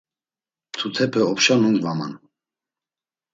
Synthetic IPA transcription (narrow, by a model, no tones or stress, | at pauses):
t̪ʰut̪ʰɛpʰɛɔpʃanunzvama̰n